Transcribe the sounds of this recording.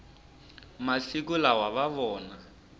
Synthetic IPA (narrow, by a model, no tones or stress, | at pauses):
masikulawaβaβɔːna